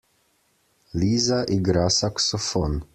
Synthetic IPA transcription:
lizaʔiɡɾasaksofon

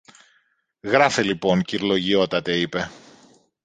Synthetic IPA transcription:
ɣɾɐfelipo̞ŋciɾlo̞ʝio̞t̪ɐt̪e̞ipe̞

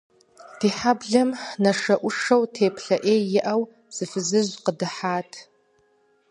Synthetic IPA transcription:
d̥iħabɮɨmnaʂɐʔʷʊʂowtʰeːpʰɬɐʔejɪʔaw | bz̥ɨfɨzɨʒʷqədɨħaːtʰ

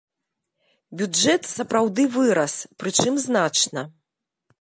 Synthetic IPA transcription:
bʲud͡ʐɛt̪sɐpɾawd̪ɨvɨɾɐspɾɨt͡ʂɨmznat͡ʂnɐ

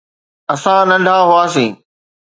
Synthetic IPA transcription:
ɐsãnɐ̃ɳɖʱaːɦʊaːsĩː

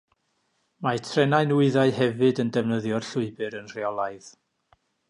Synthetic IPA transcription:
majtʰrɛnaɨnwɪɨðaɨhɛvɨdəndəvnəðjɔrɬʊɨbɨɾənr̥eɔlˠaɨð

